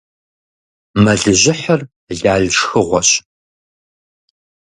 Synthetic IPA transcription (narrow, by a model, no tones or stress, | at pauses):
mɐɮɨʑʷɪħɐr | ɮaːɮʂxɨʁʷɔɕ